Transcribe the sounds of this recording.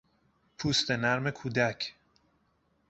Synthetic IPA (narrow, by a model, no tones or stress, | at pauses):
pʰuːst̪e̞næɾme̞kʰuːd̪æcʰ